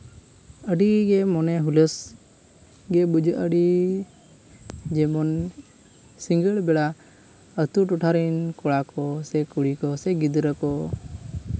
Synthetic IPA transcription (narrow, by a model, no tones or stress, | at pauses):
əɖiɡɛmɔnɛɦuləs | ɡɛbud͡ʒəʔəɖi | d͡ʒɛmɔn | siŋɡəɭbɛɽa | ət̪uʈuʈʰaɾinkɔɽakɔsɛkuɽikɔsɛɡid̪ɾəkɔ